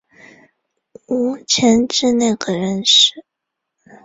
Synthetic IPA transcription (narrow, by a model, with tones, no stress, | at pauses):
u˧˥t͡ɕʰjɛ˧˥nʈ͡ʂɻ̩˥˧na˥˩ɪɡə˩ɻə˧˥nʂɻ̩˥˩